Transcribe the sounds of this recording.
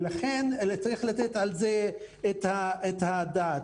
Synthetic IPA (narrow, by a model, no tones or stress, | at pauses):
laχent͡saʁiχlat̪ɛt̪alzeː | t̪haet̪had̪aːt̪